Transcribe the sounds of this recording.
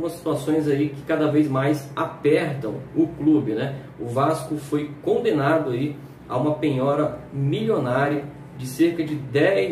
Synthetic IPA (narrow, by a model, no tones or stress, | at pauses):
ũmɐsi̥t̪uasõj̃zaikɪ̥kad̪ɐvejzmajsapɛɾt̪ɐ̰̃w̃ʊklubɪnɛ | ʊvaskʊfojkõnd̪ẽnad̪ʊai | a̰ũmɐpẽɲɔɾɐmilionaɾiɐ | d͡ʒɪseɾkɐd͡ʒɪd̪ɛ